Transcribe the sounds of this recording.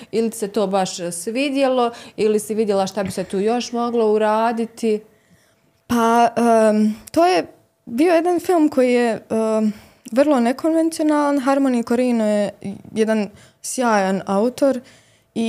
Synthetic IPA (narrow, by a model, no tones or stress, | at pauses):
ili̥se̞t̪o̞ːbaʃsʋid̪je̞lˠoilisiʋid̪jelaʃt̪abiset̪uːjo̞ʃmo̞ɡlˠouɾaːd̪it̪i | paət̪o̞ːje | biːojed̪anfilˠmkʰo̞jijeː | ʋr̩lˠo̞nekʰo̞nʋe̞nt̪sio̞naːlˠanɦaɾmoːnikoɾiːnojejɛd̪an | sjaːjanaut̪o̞ɾ | i